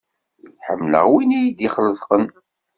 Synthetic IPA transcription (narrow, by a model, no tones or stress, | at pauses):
ħəmːlə̰ʁwinijid̪iχələðˤqən